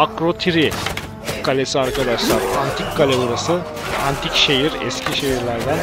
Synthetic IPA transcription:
akɾo̞t̪ʰiɾi | kʰalʲesiaɾkad̪aʃlˠaɾant̪ʰikkalʲeuɾasɯ | ant̪ʰicʃejiɾɛ̰scʰiʃe̞ɦiɾlʲæɾd̪æn

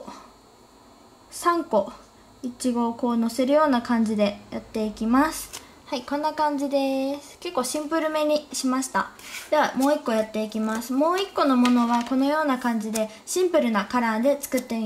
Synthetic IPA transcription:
sãŋko̞ | it͡ɕiɡo̞ko̞ːno̞se̞ɾɯ̟jo̞ːnakãɲ̟d͡ʑid̪e̞jat̪ːe̞ikʲimasɨ̥ | haikõ̞nːakãɲ̟d͡ʑid̪e̞sɨ̥ke̞kːo̞ːɕĩmpɯ̟ɾɯ̟me̞ɲ̟iɕimaɕi̥t̪ad̪̥e̞βamo̞ːikːo̞jat̪ːe̞ikʲimasɨmo̞ːikːo̞no̞mo̞no̞βako̞no̞jo̞ːnakãɲ̟d͡ʑid̪e̞ | ɕĩmpɯ̟ɾɯ̟nakaɾãːd̪e̞t͡sɨ̥kɯ̟t̪ːe

